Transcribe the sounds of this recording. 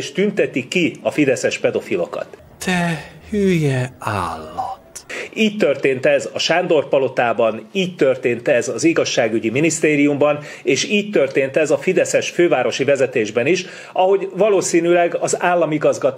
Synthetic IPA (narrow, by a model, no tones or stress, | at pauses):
ʃt̪ynt̪ɛt̪ikːiɒfid̪ɛsɛʃpɛd̪o̞filo̞̰kɒ̰t̪ | t̪ɛhyːjɛaːlːɒt̪iːct̪ørt̪eːnt̪ɛzɒʃaːnd̪o̞rpɒlo̞t̪aːbɒniːct̪ø̞rt̪eːnt̪ɛzɒziɡɒʃːaːɡyɟiminist̪eːɾijumbɒn | eːʃiːc̚t̪ørt̪eːnt̪ɛzɒfid̪ɛsɛʃføːvaːɾo̞ʃivɛzɛt̪eːʒbɛniʃ | ɒɦo̞ɟvɒloːsiːnylɛɡɒzaːlːɒmiɡɒzɡɒt̪